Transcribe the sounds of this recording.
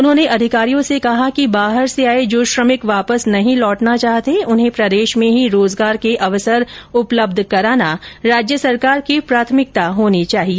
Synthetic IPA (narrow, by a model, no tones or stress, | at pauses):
ʊnɦõːneʔɐd̪ʱɪkaːɾijõsekɐɦakibaːɦəɾseaːed͡ʒoːʃɾəmɪkʋaːpəsnɐɦĩlɔːʈnat͡ʃaːɦt̪eʊnɦẽpɾɐd̪eːʃmẽɦiɾoːzɡaːɾkeʔɐʋəsəɾʊpləb̚d̪ʱkɐɾaːnaɾaːd͡ʒjəsɐɾkaːɾkipɾaːt̪ʰəmɪk̚t̪aɦoːnit͡ʃaːɦieː